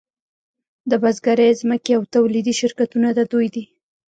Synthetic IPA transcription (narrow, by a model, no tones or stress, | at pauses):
d̪əbazɡaɾejzməkeawt̪awlid̪iʃɪɾkat̪unad̪ad̪ojd̪i